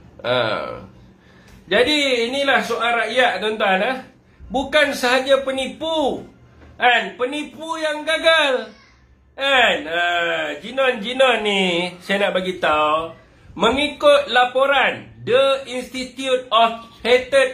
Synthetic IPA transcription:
ʔa̰ | d͡ʒadiːnĩlahsualraʔjaʔ̚t̪ont̪uanah | bukansəɦad͡ʒapənipu | ʔɛnpənipujaŋɡaɡal | anəd͡ʒinɔ̃nd͡ʒinɔ̃nːĩsajanaʔbaɡit̪a | mə̃ŋikʊt̪̚lapoɾandəinst̪it̪jut̪̚ɔfhet̪ət̪̚

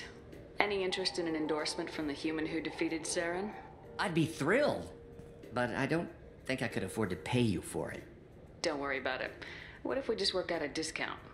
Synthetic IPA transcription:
ɛniɪ̃nt͡ʃɹ̥ɨstɨ̃nɨ̃nɨ̃ndɔɹsmɨ̃ntfɹʌ̃mðɨhjʉmɨ̃nɦʉdɨfiɾɨd̥sɛɹɨ̃n | aɪd̚biθɹɪlˠd̚ | b̥ʌɾa̰ɪdõʊ̃n | θɪ̃ŋkaɪkʰɨɾɨfɔɹd̚tʰɨpʰeɪjɨ̰fə̰˞ɪ̰t̚ | d̥õʊ̃nʔwɜɹiɨbaʊɾɨ̰t̚ | wʌ̰ɾɨfwid͡ʒʌst̚wɜ˞kaʊɾɨdɪskʰã̰ʊ̃nt

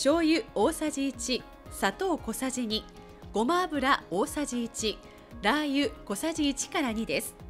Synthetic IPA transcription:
ɕo̞ːjɯ̟o̞ːsaʑiːt͡ɕi | sat̪o̞ːko̞saʑiɲ̟i | ɡ̥o̞maːbɯ̟ɾao̞ːsaʑiːt͡ɕi | ɾajɯ̟ko̞saʑiːt͡ɕi̥kaɾaɲ̟id̪e̞sɨ̥

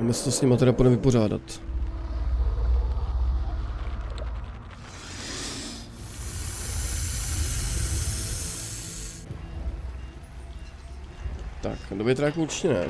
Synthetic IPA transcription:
mɛst̪osɲɪmat̪ɛɾaponɛvɪporaːda̰t̪ | t̪a̰kndobɛt̪ɾaːkout͡ʃcɛnɛ̰

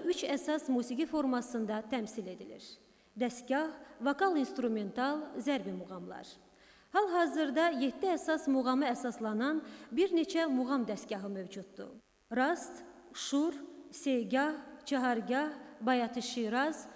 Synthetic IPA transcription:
yt͡ʃæsɑsmuːsiɡʲifo̞ɾmɑsɯnd̪ɑt̪ʰæmsile̞d̪ilḭɾ | d̪æst̪ɡɑhvokɑlˠinst̪ɾume̞nt̪ʰɑlˠzæɾbimuɣɑmlˠɑ̰ɾ | hɑlˠɦɑːzɯɾd̪ɑje̞t̪ʰːiæsɑsmuɣɑmɯæsɑslˠɑnɑnbiɾne̞t͡ʃʰæmuɣɑmd̪æst̪ɟʲɑɦɯmøvd͡ʒut̪̚d̪ṵ | ɾɑst̪ | ʃuɾse̞ɡɑht͡ʃʰɑɦɑɾɡɑbɑjɑt̪ʰɯʃiɾɑz̥

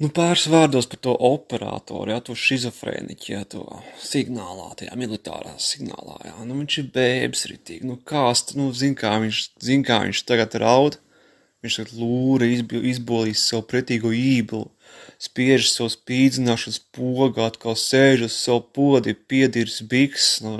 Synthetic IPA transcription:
nupaːɾsʋaːɾd̪uɔspat̪uɔʔɔpɛɾa̰ːt̪ɔ̰ːɾujat̪uɔʃizɔfɾɛ̰ːnḭcʲja̰t̪ṵɔsiɡnaːlˠɑ̰ːt̪aja̰ːmilˠit̪a̰ːɾa̰asiɡna̰ːlˠɑ̰ːja̰nuʋiɲʲʃiɾbɛːbi̥sɾḭt̪ḭːɡ̥nukaːst̪nuzinkaːʋiɲʃzinkaːʋḭɲʲt͡ʃt̪aɡat̪ɾawd̪ | ʋiɲt͡ʃʃt̪aɡt̪lˠuːɾɐizbizbuɔlˠiːssawpɾiɛt̪iːɡuɔiːblˠu | spiɛʒsawspiːd̪zinaːʃɐnspuɔɡaat̪kalˠseːʒussawpuɔd̪ipiɛd̪iɾsbiksnu

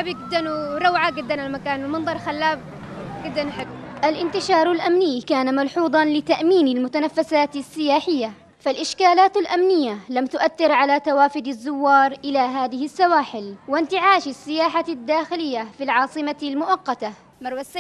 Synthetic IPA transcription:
abjɪɡɪd̪ːanɾˤɑwʕaɡɪd̪ːanalmakaːnɪlmɑnðˤɑɾˤxalːaːb | ɡɪd̪ːanħaɡʔalʔɪnt̪ɪʃɑːɾˤalʔamniːkaːnamɑlħuːd̪ˤɑnlɪt̪aʔmiːnɪlmʊt̪anafːasaːt̪ɪsːɪjaːħɪjːa | falʔɪʃkaːlaːt̪alʔamnɪjːalamt̪ʊʔaθːɪɾʕalat̪awaːfɪd̪ɪzːʊwːɑːɾˤʔɪlaɦaːðɪhɪsːawaːħɪlwɪnt̪ɪʕaːʃasːɪjaːħad̪ːaːxɪlɪjːafilʕɑːsˤɨmalmʊʔɑqːɑt̪a | mɑɾˤwasa

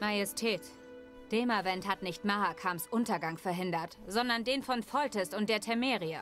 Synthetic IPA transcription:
majɛstʰɛːt | d̥ɛːmavɛnthatnɪçtmaʁakʰamsʔʊntɐɡaŋfɛɐɦɪndɐtz̥ɔndɐndeːnfɔnfɔltɛsʊntd̥eːɐtʰɛmɛːʁiə

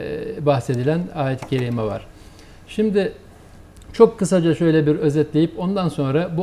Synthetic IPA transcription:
bahse̞d̪ilʲænaːjet̪ʰi̥cʰeɾimɛva̰ɾ̥ | ʃimd̪ɪ | t͡ʃʰo̞kʰːɯsad͡ʒaʃø̞jlʲɛbiɾø̞zɛt̪lʲejipo̞nd̪anso̞nɾabu

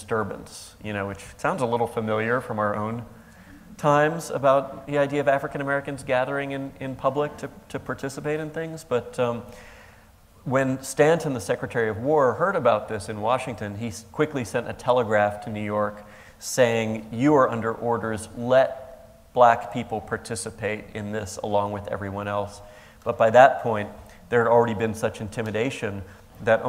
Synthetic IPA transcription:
dstɜ˞bɨ̰̃nsjɨñoʊwɨt͡ʃsãʊ̃ndzəlɪɾl̩ˠfəmɪlˠjə˞fɹʌ̃maʊə˞ʔõ̰ʊ̃n | tʰãɪ̃mzɨ̰baʊt̪̚ðiaɪdiɨʌvæfɹɨkɨ̃ñəmɛɹɨkɨ̃n̩zɡæðə˞ɪ̃ŋɨ̃nɪ̃npʰʌblɪk̚tʰɨtʰɨpʰɑɹtʰɪsəpeɪɾɨ̃nθɪ̃ŋzb̥ʌt̚ | wɨ̃nstæ̃ntʰɨ̃nðəsɛkɹɨtʰɛɹiʌvwɔɹhɜ˞ɾɨbaʊt̪̚ðɪsɨ̃nwɑ̰ʃɪ̃ŋtɨ̃nikʰw̥ɪklisɛ̃ñtɨ̰tʰɛlˠəɡɹæftʰɨnʉjɔɹk | seɪɪ̃ŋjɨə˞ʌ̃ndə˞ʔɔɹɾə˞zlɛt̚ | b̥lækpʰipl̩ˠpʰɑɹtʰɪsɨpʰeɪɾɪ̃nðɪsə̰lɔ̃ŋwɨðɛ̰vɹiwʌ̃ñɛlˠs | b̥ʌt̚b̥aɪðət̚pʰɔ̃ɪ̃n | ðə˞ɨɾl̩ˠɹɛɾibɨ̃nsʌt͡ʃɨ̃n̩tʰɪ̃mɨdeɪʃɨ̃n | ðɨɾ

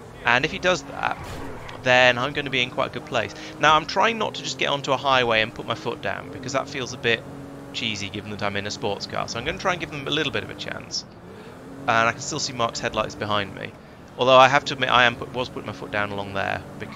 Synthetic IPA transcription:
ʔə̃nɨfhidʌzðə̰t̚ | ðɨ̃nãɪ̃mɡʌʊnəbiɨ̃nkʰw̥aɪtəɡ̥ʊd̚pʰl̥eɪs | naʊãɪ̃mtʰɹ̥aɪɪ̃ŋnə̰tʰəd͡ʒʌsɡ̥ɛɾʔə̰̃ntuəhaɪweɪɨ̃npʰʊt̚maɪfʊt̚d̥ã̰ʊ̃nbɨkʰʌzðə̰tfilˠzəbɪt | t͡ʃʰiziɡɪvə̃ŋ̩ðəɾãɪ̃mɨ̃nɨspɔɹtskʰɑ̰ɹsoʊaɪ̃mʌ̃ntʰɹaɪɨ̃nɡɪvðə̃məlɪɾl̩ˠbɪɾʌ̰vɨ̰t͡ʃʰæ̰̃ns | ə̃naɪkʰn̩stɪlˠsimɑɹkshɛdˡlaɪtsb̥ɨɦãɪ̃nmḭ | ɔlˠðoʊaɪɦaftɨəmɪʔa̰ɪɨ̃mpʰʊwʌz̥pʰʊɾɪ̃ŋmaɪfʊt̚d̥ãʊ̃nəlɔ̃ŋðə̰˞b̥ɨ

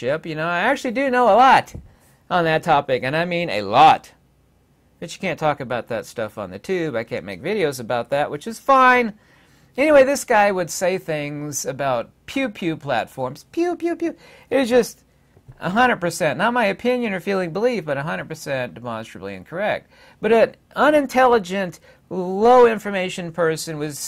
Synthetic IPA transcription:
ʃɪpjɨnoʊaɪæk̚t͡ʃʉl̩ˠidɨnoʊəlɔɾ | ʔn̩ðɨtʰɑpɨkɨ̃naɪmĩnɨ̰lɔt | b̥ʌt͡ʃɨ̥kʰæ̃ntʰɔkɨbaʊt̪̚ðɨtstʌfn̩ðɨtʰʉbaɪkʰæ̰̃nmḛɪkvɪɾioʊzɨbaʊt̪̚ðæʔ̚wɨt͡ʃɨz̥fãɪ̃n | ɛñiweɪðɪsɡ̥aɪwɨd̥seɪθɪ̃ŋzɨbaʊt̚pʰj̥ʉpʰj̥ʉpʰl̥æ̰tfɔɹmz̥pʰjʉpʰjʉpʰjʉ | ɨzd͡ʒʌst | ʔə̰ɦʌ̃ndɹəd̚pə˞sɛ̃nːət̚maɪɨpʰɪ̃njɨ̃nə˞filˠɪ̃ŋbəlifb̥ʌɾɨɦʌ̃ndɹəd̚pʰə˞sɛ̃nd̥ɨmɑ̰̃nstɹ̥əbl̩ˠḭɨ̰̃nkʰə˞ɛk̚t̚ | b̥ʌɾɨ̃n | ʌ̃nɨ̃ntʰɛlˠəd͡ʒɨ̃nt | loʊɪ̃ɱfə˞meɪʃɨ̃npʰɜ˞sɨ̃nwʌz̥

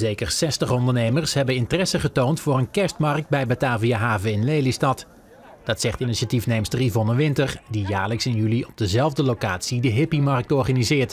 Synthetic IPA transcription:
zejkəɹsɛstəχɔndəɹnejməɹsɦɛbənɪntərɛsəχətowntfʊːrənkɛɹstmɑɹk̚t̚bɛjbataːvijaɦaːvəɪnlejlistɑt | d̥ɑtsɛχtɪniʃatifnejmstərivɔnəʋɪntərdijaːɹləksɪnjyliɔb̚dəzɛlˠvdəlowkaːtsidəɦɪpimɑrk̚tɔɹχanizɪːɹt

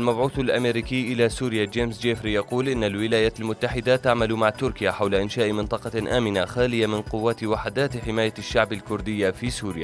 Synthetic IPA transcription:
ʔalmabʕuːθalʔameːɾiːkiːʔɪlasuːɾɪjad͡ʒeːmsd͡ʒeːfɾijɑquːlʔɪnːalwɪlaːjaːʔalmʊt̪ːaħɪd̪at̪aʕmalʊmaʕt̪ʊɾkɪjaħawlaʔɪnʃaːʔmɪnt̪ˤɑqɑʔaːmɪnaxaːlɪjamɪnqʊwːaːt̪waħad̪aːt̪ħɪmaːjaʃːaʕbalkʊɾd̪ɪjːafiːsuːɾɪjaː

